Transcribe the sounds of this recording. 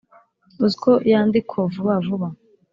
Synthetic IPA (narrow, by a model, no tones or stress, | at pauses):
uzikʰoʔjaːnd̪ikʰovuβavuβa